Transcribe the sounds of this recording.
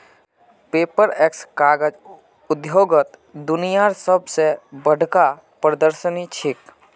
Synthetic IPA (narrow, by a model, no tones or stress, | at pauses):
peːpəɾeːkskaːɡəd͡ʒ | ʊd̪joːɡət̪d̪ʊnijaɾsəbsebəɽ̤ʱka | pɾəd̪əɾʃənit͡ʃʰɪk